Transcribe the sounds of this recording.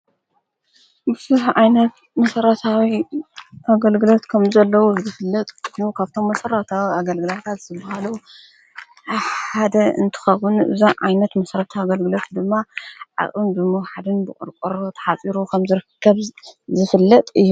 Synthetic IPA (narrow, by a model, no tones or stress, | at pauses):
bɨz̥uħʕajnɐt̪ | mɐsɐɾɐt̪ʰawiʔaɡɐlɡɨlo̞t̪kʰɐmzɐlːɐwuzɨfɨlːɐt̪ʼɨnukʰaβt̪ʰo̞mːɐsɐɾɐt̪ʰawiaɡɐlɡɨlat̪ʰat̪z̥ɨbahalu | ħad̪ɐɨ̰nt̪ʰɨ̥xɐwɨnɨ̰zaʕa̰jnɐt̪mɐsɐɾɐt̪ʰawaɡɐlɡɨlo̞t̪d̪ɨmːaʕa̰χʼɨnd̪ɨmowħad̪ɨnbɨkʼɨ̰ɾkʼuɾot̪ʰɐ̥ħat͡sʼiɾukʰɐmzɨɾɨkʰːɐβzɨfɨlːɐt̪ʼɨjːu